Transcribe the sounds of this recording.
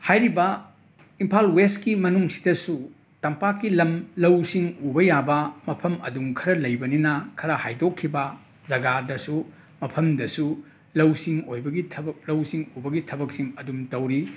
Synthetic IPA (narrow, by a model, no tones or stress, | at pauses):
hajɾibɐ | impʰalweskimɐnuŋsi̥dɐsu | tɐmpakːilɐmlɐwsiŋubɐjabɐmɐpʰɐmɐ̰duŋkʰɐɾɐlɐjbɐninɐkʰɐɾɐhajdokʰːibɐ | zɐɡadɐsu | mɐpʰɐmdɐsu | lɐwsiŋojbɐɡitʰlɐwsiŋubɐɡitʰɐbɐk̚siŋɐdumtɐwɾi